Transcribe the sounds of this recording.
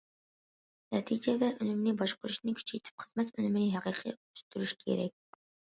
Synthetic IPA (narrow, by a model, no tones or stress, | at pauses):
næt̪ʰid͡ʒɛvæʔɵnʏmnibɒʃqʊɾʊʃnɪkʲʰy̥t͡ʃʰejt̪ʰɪ̥p̚χə̥zmæt̪ɵnʏmnɪɦæqiqʰḭ | st̪yɾyʃkʲʰḛɾɛk̚ʲ